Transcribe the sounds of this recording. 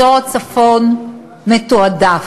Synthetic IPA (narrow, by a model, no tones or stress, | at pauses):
oat͡safon | metoada